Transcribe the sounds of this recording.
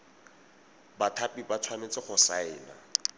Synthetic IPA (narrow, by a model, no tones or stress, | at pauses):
batʰapibat͡sʰwanet͡sʼɪχʊsaɪːna̰